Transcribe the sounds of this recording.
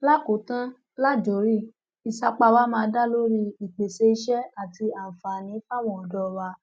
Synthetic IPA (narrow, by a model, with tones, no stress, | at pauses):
la˦˨ko˨˦tã˦ | la˦˨d͡ʒo˨˦ɾi˦˨ | i˨sa˧k͡pa˧wa˦mãː˧˦da˦lo˦ɾi˧˦i˨k͡pe˨ʃe˧˦i˧ʃɛ˦a˨ti˧a˨fa˨nĩ˨˦fa˦˨w̃ɔ̃˦˨ɔ˨dɔ˧wa˧˦